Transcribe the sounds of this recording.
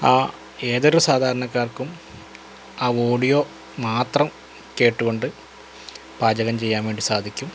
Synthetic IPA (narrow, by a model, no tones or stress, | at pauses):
aː | e̞ːðoɾusaːd̪ʱaːɾɐɳɐkːaːrkum | aːoːɖijo̞ː | maːt̪rɐm | ke̞ːʈːuɣo̞ɳɖɨ | paːd͡ʑɐɣɐmt͡ɕe̞jːaːmeːɖɨsaːd̪ʱikʲːum